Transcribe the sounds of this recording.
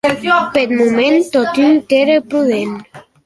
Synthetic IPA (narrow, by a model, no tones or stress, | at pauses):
pet̪mumẽnt̪ot̪ynt̪eɾepɾuðen